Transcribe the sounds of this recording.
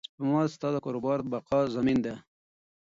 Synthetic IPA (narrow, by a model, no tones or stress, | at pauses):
pəmɑst̪ɑd̪əkɑɾobɑɾbaqɑzamind̪a